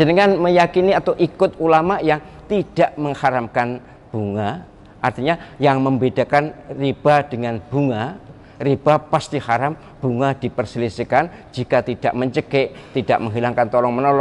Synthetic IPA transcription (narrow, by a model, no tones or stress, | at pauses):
d͡ʒənəŋanməjakiniat̪awʔikʊt̪̚ulamaʔjaŋ | t̪id̥aʔməŋhaɾamkan | b̥uŋa | ʔart̪iɲajaŋməmbedakanrib̥ad̥əŋanb̥uŋa | rib̥apast̪ihaɾam | b̥uŋad̥ipərsilisikan | d͡ʒikat̪id̥aʔməɲt͡ʃəkɛʔt̪ida̰ʔməŋɦilaŋkant̪ɔlɔŋmənɔlɔ